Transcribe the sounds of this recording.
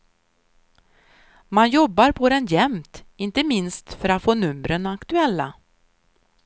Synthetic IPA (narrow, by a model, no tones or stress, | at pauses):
manjɔbːaɾpʰɔd̪ɛnjɛmt̪ɪnt̪əmɪnst̪fœɾat̪foːnɵmɾənakt̪ɵɛlːa̰